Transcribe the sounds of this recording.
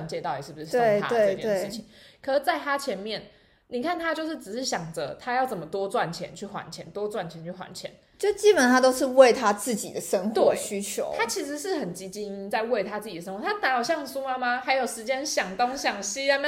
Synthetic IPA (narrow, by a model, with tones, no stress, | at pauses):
nt͡ɕjɛ˥˧t̪ɑ˥˩ʊi˨˩ʂɻ̩˥˩bu˩ʂ̩˥t̪we˥˩˥ɪa̰˥d̪we˥˧ɪ˥t͡ɕɛ˥e˩˥˩ʂɻ̩˥˩t͡ɕʰi˨˩ŋkʰɤ˨˩ʂ̩˥˩t͡sa˥˩ɪt̪ʰa˥t͡ɕʰjɛ˧˦˥nmjɛ˥˩n | ni˨˩kʰa˥˩nt̪ʰa˦˥t͡ɕjo˥˧ʊʂ̬ɻ̩˥˩ʈ͡ʂɻ̩˨˩ʂɻ̩˥˩ɕjɑ˨˩ŋd͡zə̰˨˦t̪ʰa˥jɑ˥˩ʊt͡sə˨˩nmə˩t̪wɔ˥t͡swa˥˩nt͡ɕʰjɛ̰˧˦nt͡ɕʰy˥˩xwa̰˨˩nt͡ɕʰjɛ̰˧˥nt̪wɔ˥t͡swa˥˩nt͡ɕʰjɛ˧˦nt͡ɕʰy˥˩xwa̰˧˦nt͡ɕʰjɛ̰˧˦n | t͡ɕjo˥˧˩t͡ɕi˦˥pə˨˩nt̪ʰa˥t̪o˥ʊʂɻ̩˥˧we˥˩ɪt̪ʰa˦t͡sɹ̩˥˩t͡ɕḭ˨˩d̪ə˦ʂə˥nxwt̪wɕy˦t͡ɕʰjo̰˨˦ʊt̪ʰa˥t͡ɕʰi˧˥ʂ̬ɻ̩˧˦ʂɻ̩˥˩xə˨˩nt͡ɕi˧˥t͡ɕi˥ŋi˦˥nt͡sa˥˧ɪwe˥˩ɪt̪ʰa˥t͡sɹ̩˥˩t͡ɕi˨˩ə˩ʂə˦ŋxwɔ˥˧˩t̪ʰa˥t̪a˧˥njɑ˨˩ʊɕjɑ˥˩ŋsu˥ma˧˥ma˧xa˧˥ɪjo˨˩ʊʂɻ̩˧˥t͡ɕjɛ˥nɕjɑ˨˩ŋt̪o˥ŋɕjɑ˨˩ŋɕi˥a˥